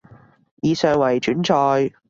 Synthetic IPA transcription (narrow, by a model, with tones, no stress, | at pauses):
jiː˨˧sœː˧ŋwɐ˨˩jt͡ʃyː˨˥nt͡ʃɔː˧j